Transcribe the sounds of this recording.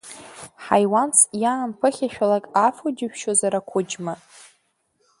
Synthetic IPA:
ħajwansjaːmpʰɨχʲaʃᶣalakʼafod͡ʒɪʃᶣʃozaɾakʷʰʊd͡ʒma

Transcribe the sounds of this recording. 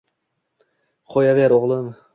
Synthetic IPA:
qʰojaveɾoʁlˠɪm

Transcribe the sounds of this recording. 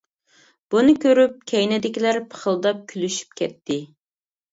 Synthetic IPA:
b̥unɨkʲøɾyp̚kʲʰɛjnɛd̪ɪkʲilæɾpʰə̥χəlˠd̪ɑp̚kʲʰylyʃy̥p̚kʲʰɛt̪ʰːɪ

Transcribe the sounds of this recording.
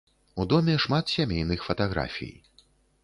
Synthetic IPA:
ud̪ɔmʲɛʂmat̪sʲamʲejnɨxfɐt̪aɣɾa̰fʲḭj

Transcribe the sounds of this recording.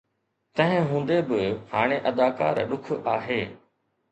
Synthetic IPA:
t̪ɐ̃ɦɪ̃ɦũːn̆d̪ebɪhaːɽ̃eʔɐd̪aːka̰ːɾɗʊkʰaːɦeː

